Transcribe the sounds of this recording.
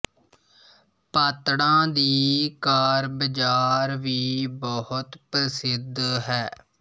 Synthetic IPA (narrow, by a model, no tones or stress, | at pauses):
pət̪ɽãːd̪iːkaːɾbəd͡ʒaːɾʋiːbɔhʊt̪pəsɪd̪ʱɦɛː